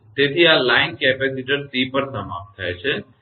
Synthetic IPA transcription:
t̪et̪ʰiaːlaːɪnkɛpɛsiʈəɾsipəɾsɐma̰ːpt̪ʰaet͡ʃʰɛ

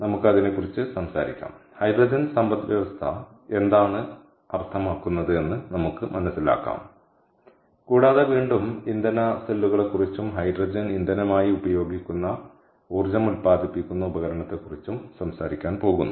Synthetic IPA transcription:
nɐmukːɨɐðinekːurit͡ɕːɨsɐmsaːɾikʲːa̰ːmhɐjdrɐd͡ʑɐnsɐmbɐt̪d̪ʋjɐʋɐst̪ʰɐ | e̞nd̪aːɳɨ | ɐrt̪ʰɐmaːkːunːɐðɨe̞nːɨnɐmukːɨmʔɐnɐsːila̰ːkːa̰ːm | kuːɽaːðɐʋiːɳɖumind̪ɐnɐselːuɣɐɭekːurit͡ɕːumɦɐjdrɐd͡ʑɐnind̪ɐnɐmaːjiubɐjo̞ːɡikʲːunːɐ | uːrd͡ʑɐmulpaːd̪ʱipːikʲːunːɐubɐɣɐɾɐɳɐt̪ːe̞kːurit͡ɕːumsɐmsaːɾikʲːaːnpo̞ːɣunːu

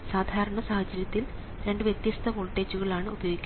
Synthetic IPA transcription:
saːd̪ʱaːɾɐɳɐsaːhɐt͡ɕːɐɾjɐt̪ːil | ɾe̞ɳɖɨʋjet̪jɐst̪ʰɐpoːɭʈːeːd͡ʑuɣɐɭaːɳɨubɐjoːɡikʲː

